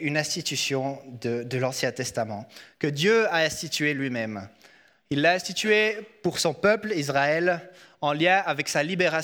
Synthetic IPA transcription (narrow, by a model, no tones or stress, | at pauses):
ynɛ̃st̪it̪ysjɔ̃d̪əd̪əlɑ̃sjɛ̃t̪ɛst̪amɑ̃kəd̪jøaɛ̃st̪it̪ɥelɥimɛm | ilːaɛ̃st̪it̪ɥepuʁsɔ̃pœplizʁaɛl | ɑ̃ljɛ̃avɛksalibeʁa